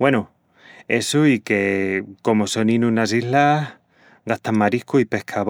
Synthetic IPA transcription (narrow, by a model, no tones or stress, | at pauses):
wenu | esuike̞ko̞mosonĩnũnasiɦlah | ɡaht̪ammaɾihkuipe̞hkʰaβ